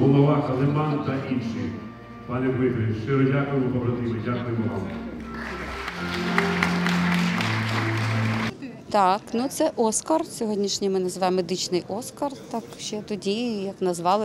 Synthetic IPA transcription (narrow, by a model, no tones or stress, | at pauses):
ɦɔlˠɔʋɑkɐlˠɪmɑnt̪ɐʔinʃi | pɑnʲɛʋɪzɐit͡ʃeɾɔdʲakɔmʊbɐbɾɐt̪ɪmɪdʲakʊjʊʋɑ̰m | t̪ɑknut̪sɛʔɔskɐrsʲɔɦɔdʲnʲiʃnʲimɪnɐzʋɑjmːed̪ɪt͡ʃnɪjʔɔskɐrt̪ɑkʃt͡ʃɛt̪ɔdʲijɐknɐzʋɑlˠɪ